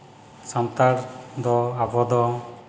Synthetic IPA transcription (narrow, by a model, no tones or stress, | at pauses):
sant̪aɾd̪ɔabʱɔd̪ɔ